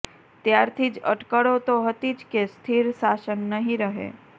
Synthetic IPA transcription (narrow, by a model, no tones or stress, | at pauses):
t̪jaɾt̪ʰid͡ʒə̰ʈkəɽot̪oɦət̪id͡ʒkest̪ʰiɾsasənːəɦĩɾəɦḛ